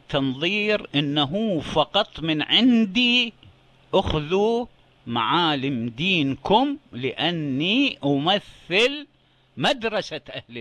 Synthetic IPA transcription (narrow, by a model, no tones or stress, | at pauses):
t̪ɑnðˤiːɾʔɪnːaɦufɑqɑt̪ˤmɪnʕɪnd̪i | ʔaxðu | ma̰ʕaːlɪmd̪iːnkʊmlɪʔanːiʔamaθːɪl | mad̪ɾˤɑsaʔahli